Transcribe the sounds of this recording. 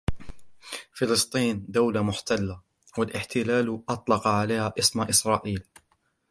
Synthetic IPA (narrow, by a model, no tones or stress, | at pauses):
fɪlɨst̪ˤiːnd̪awlamʊħt̪alːa | walʔɪħt̪ʰɪlaːlʔɑt̪ˤlɑqɑʕalajːhaːʔɪsmaʔɪsɾˤɑːʔiːl